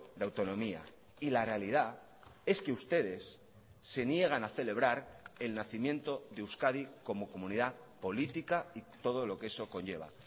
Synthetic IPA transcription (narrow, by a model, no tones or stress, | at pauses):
d̪eawt̪o̞nõ̞mia̰ | ilare̞alið̞a | e̞ske̞ust̪e̞ðe̞sː | e̞nje̞ɣ̞anaθe̞le̞β̞ɾaɾe̞lnaθimje̞nt̪o̞ðe̞uskaðiko̞mo̞ko̞mũniða | po̞lit̪ikait̪o̞ð̞o̞lo̞kee̞so̞ko̞nʝe̞β̞a̰